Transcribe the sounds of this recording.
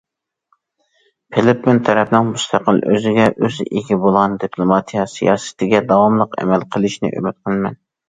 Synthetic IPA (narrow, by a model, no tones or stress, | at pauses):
pʰɪlɪpmɪnt̪ʰɛɾɛpnɪŋmust̪ʰɑqəlˠʔø̰zɪɡʲɛʔøzeɡʲibolˠʁɑnd̪ipʰlˠomɑt̪ʰijɑsijɑːsɪ̥t̪ʰɪɡʲɛd̪ɑwɑmlˠəqɛ̰mɛlqʰəlˠɪʃnɪ̰ʔø̰myt̪̚qʰəlˠmɛn